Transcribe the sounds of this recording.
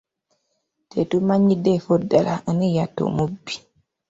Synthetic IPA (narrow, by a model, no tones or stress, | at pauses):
tetumãɲːidefodalanijatːo̰mubi̥